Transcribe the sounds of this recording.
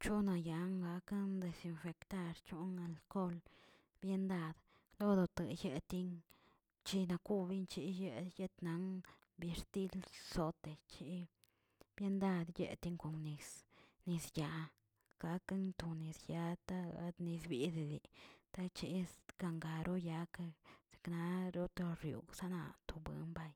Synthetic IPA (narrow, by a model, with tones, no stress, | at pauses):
t͡ʃu˦na˧ja˨ŋɡa˧ka˦nd̪e˨si˧nfe˨kt̪a˧ɾt͡ʃu˦na˧˨lko˦l | bje˦nd̪a˧d̪ | lo˦d̪o˨˧t̪ə˨je˧t̪i˦n | t͡ʃi˦na˧ku˦bi˦nt͡ʃi˧je˦˧je˦t̪na˨˦ŋ | be˧ɾt̪i˦lso˨˦t̪e˨t͡ʃi˧˦ | b̥je˦nd̪a˦˧d̪jḛ˧t̪i˧ŋko˨ŋni˨sni˧sja˨ | ɡ̥a˧ka˦nt̪u˨ni˨sja˧˦t̪a˦a˧d̪ni˧sbi˦d̪d̪i˨t̪a˦t͡ʃi˧˦ɡ̥a˧ŋɡa˨ɾʔo˦ja˧ka˧se̥˧kna˧ɾo˦t̪o˧ɾjṵ˨ɡsa˦na̰˧t̪o˨bɨ̰˨nba˧j